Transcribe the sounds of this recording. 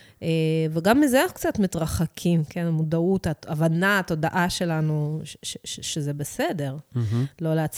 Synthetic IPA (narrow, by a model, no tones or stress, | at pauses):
ʔeveɡamːizeanaχu̥kt͡satmit̪ʁaχakʰimkʰe̞namud̪aut̪aavanaat̪o̞daʔaʃe̞lanuʃʃeʃeʃezebese̞de̞ʁlo̞leat͡s